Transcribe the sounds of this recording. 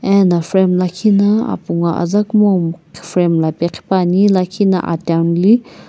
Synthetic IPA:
ɛnafɾɛmlakʰinaa̰puŋaʔa̰zakmomkfɾɛmlapɛqʰpanilakʰina̰ʔa̰tanli

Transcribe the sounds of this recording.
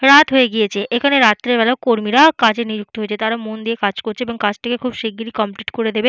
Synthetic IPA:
ɾat̪ɦoeɡijet͡ɕʰeʔekʰaneɾat̪ːɾeɾbɛlaokoɾmiɾakad͡ʑeɾnid͡ʑuk̚t̪oɦojet͡ɕʰet̪aɾamond̪ijekad͡ʑkoɾt͡ɕʰeeboŋkad͡ʑʈʰekekʰubʃeɡiɾikɔmpliʈkoɾed̪ebe

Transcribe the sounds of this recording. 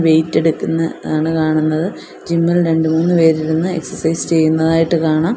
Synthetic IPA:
ʋe̞jtːeɽukːunːɐaːɳɨkaːɳunːɐðɨ | d͡ʑimːɐlɾe̞ɳɖumuːnːɨpe̞ːɾiɾunːɨe̞ksɐrsɐjst͡ɕe̞jːunːɐðaːjiʈːɨkaːɳaːm

